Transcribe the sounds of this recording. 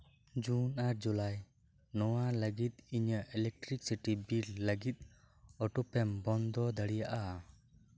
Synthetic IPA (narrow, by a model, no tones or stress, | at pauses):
d͡ʒunaɾd͡ʒulaj | nɔwaləɡit̪̚iɲəʔɛlɛk̚ʈɾik̚siʈibilːəɡit̪̚ | ɔʈɔpɛmbɔnd̪ɔd̪əɽijaʔa